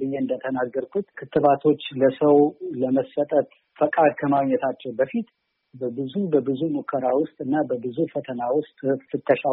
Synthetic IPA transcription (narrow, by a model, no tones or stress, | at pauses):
ɨjːɛɨnd̪ət̪ʰənaɡːəɾkʰut̪kʰɨt̪ʰːɨβat̪ʰo̞t͡ʃːləsəwləməsːət̪ʼət̪ | fəkʼad̪kʰəmaɡɲːɛt̪ʰat͡ʃːɛwbəfit̪ | bəbɨzubəbɨzumukʰːəɾawʊst̪ʼɨnːabəbɨzufət̪ʰənawʊst̪ʼfɨt̪ʰːəʃa